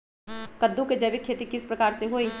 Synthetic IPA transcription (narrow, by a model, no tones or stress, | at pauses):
kɐd̪ːuked͡ʒɐʋikʰːeːt̪ikɪspɾɐkaːɾseɦoːi